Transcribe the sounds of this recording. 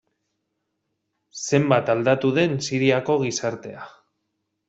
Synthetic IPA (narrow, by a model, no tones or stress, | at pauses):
se̞mbat̪ald̪at̪uðe̞nsiɾiako̞ɣ̞isaɾt̪e̞a